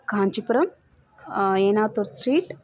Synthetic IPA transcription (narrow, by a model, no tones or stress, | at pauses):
kãnt͡ʃipɾɐm | enat̪oɾsɾiːʈ